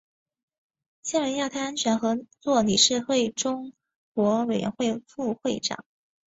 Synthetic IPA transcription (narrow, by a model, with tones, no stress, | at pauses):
ɕɛ˥nwe˧˥ɪjɑ˥˩ʊt̪ʰa˥a˥nt͡ɕʰɥɛ˧˥nxɤ˧˥t͡swɔ˥˩ni˨˩ʂɻ̩˥˧xwe˥˩ɪʈ͡ʂʊ˥ŋ | kwɔ˧˥we˨˩ɥʔɛ̰˧˥nxwe˥˧ɪfu˥˧xwe˥˩ɪʈ͡ʂɑ̰˨˩˦ŋ